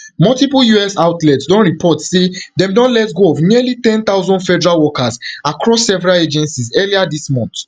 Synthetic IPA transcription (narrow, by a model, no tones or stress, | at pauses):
mɔltipujuɛsaʊtlɛtsdɔ̃nɹipʰɔtsedɛ̃mdɔ̃nlɛtɡoɔvniəlitɛ̃nt̪aʊzɔ̃ndfɛdɛɹalwɔkasakɹɔsːɛvɛɹaled͡ʒɛ̃nsizɛliadismɔ̃nt